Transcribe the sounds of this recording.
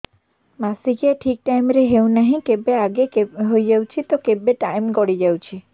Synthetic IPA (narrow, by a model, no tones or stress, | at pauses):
masikeʈʰik̚ʈajmɾeɦeũnəɦĩkebeaɡeɦojd͡ʒəut͡ʃʰit̪okebeʈajmɡɔɽid͡ʒəw̃t͡ʃʰi